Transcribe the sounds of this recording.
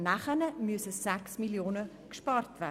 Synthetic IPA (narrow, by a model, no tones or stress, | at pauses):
næχənəmyəsəsæksmiljoːnə | kʃpɑːrtv̥æː